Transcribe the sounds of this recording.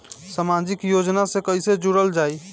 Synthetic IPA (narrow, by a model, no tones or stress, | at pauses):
samad͡ʒikjod͡ʒnasekəɪsed͡ʒuɽəld͡ʒaːi